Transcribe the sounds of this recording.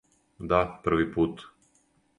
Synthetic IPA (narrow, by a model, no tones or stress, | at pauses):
d̪apəɾ̩ʋipuːt̪